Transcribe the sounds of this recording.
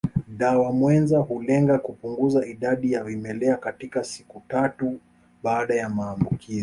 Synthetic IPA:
ɗawamwɛnzahulɛŋɡakupuŋɡuzaiɗaɗijavimɛlɛakatikasi̥kutatu | ɓaaɗajamaːmbukizi

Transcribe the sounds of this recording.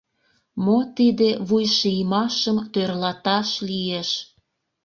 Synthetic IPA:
mot̪id̪eβujʃijmɑʃəmt̪ørlɑt̪ɑʃlieʃ

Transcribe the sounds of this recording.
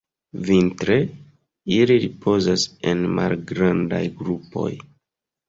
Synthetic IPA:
vintɾe | iliɾipʰo̞zasenma̰lɡɾanda̰jɡɾupo̞̰j

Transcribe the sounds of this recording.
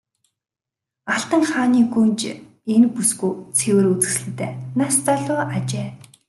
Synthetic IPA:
aɬt̪ə̆ŋχaːniːxunt͡ɕ | enpusɡujt͡sʰewɘ̆rut͡sɘ̆sɮɘ̆t̪æːnast̪aɮʊːat͡ɕeː

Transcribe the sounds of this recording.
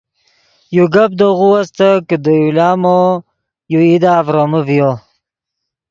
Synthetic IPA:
juɡap̚d̪oɣuwast̪akəd̪əjulaːmo | juid̪aːvɾoməvijo

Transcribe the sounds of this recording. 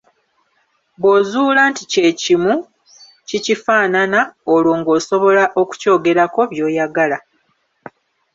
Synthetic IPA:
βwo̞ːzuːlaːntice̞cimu | cicifaːnanaolwoːŋɡo̞ːso̞βo̞laʔo̞ku̥co̞ːɡe̞ɾako̞βjo̞ːjaɡala

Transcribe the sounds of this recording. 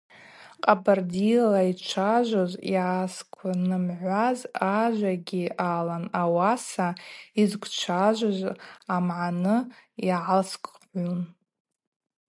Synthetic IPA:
qʼabardilait͡ʃʷʰaʒʷozjḭʕaskʷʰanɨmʕʷazaʒʷaɡʲiaːlanawasaizkʷʰt͡ʃʷʰaʒʷazamʕanɨiʕalskʷʼʕʷun

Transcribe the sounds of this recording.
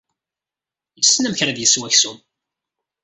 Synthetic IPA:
jəsːnæmçɾæðjəswæçsum

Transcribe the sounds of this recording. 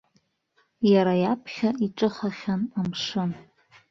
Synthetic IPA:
jaɾajapʰχʲaiʈ͡ʂʼɨχaχʲanamʂɨn

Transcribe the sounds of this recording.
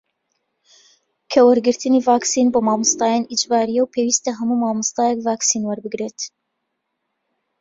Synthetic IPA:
kʰɐwɐɾɡɨɾt̪ɨnivaːksinboːmaːmɨst̪ɑːjɑːnid͡ʒbɑːɾijɛwpʰeːwist̪ɐɦɐmumaːmɨst̪ɑːjɛkvaːksinwɐɾbɨɡɾeːt̪

